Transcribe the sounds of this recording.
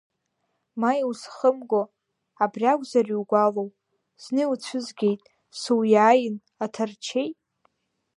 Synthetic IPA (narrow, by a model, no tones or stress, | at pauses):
maiwsχəmɡʷo | abrʲaɡʷʼzariwɡʷalow | z̥nɨut͡sʷʰɨzɡʲe̞jtʼ | suwjaːjɪn | atʰart͡ʃʰejtʼ